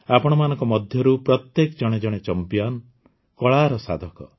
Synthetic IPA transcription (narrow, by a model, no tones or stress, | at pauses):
apɔɽ̃ɔmanɔ̃ŋkɔmɔd̪ʱjɔɾupɾɔt̪jekɔd͡ʒɔɽ̃ed͡ʒɔɽ̃et͡ʃɔmpijan | kɔɭaɾɔsa̰d̪ʱɔkɔ̰